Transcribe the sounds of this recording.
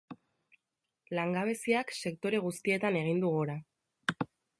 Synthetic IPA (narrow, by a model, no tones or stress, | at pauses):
laŋɡaβ̞e̞siakse̞kt̪o̞ɾe̞ɣ̞ust̪ie̞t̪ane̞ɣ̞ind̪uɣuɾa